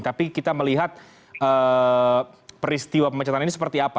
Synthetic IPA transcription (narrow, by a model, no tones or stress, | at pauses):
t̪apikit̪aməliɦat̪̚ | əː | pəɾist̪iwapəmət͡ʃat̪aninisəpərt̪iapa